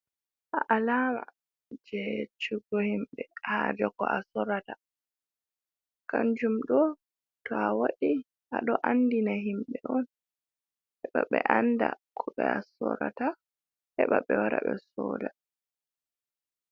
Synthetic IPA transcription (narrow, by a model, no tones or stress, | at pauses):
ʔaʔalaːma | d͡ʒɛt͡ʃuɡɔhimɓɛhad͡ʒɔkɔʔasɔɾata | kand͡ʒumɗɔ | tɔawaɗi | ʔaɗɔʔandinaɦimɓɛʔɔn | hɛɓaɓɛʔandakʰɔɓɛasɔɾata | hɛɓaɓɛwaɾaɓɛsɔːla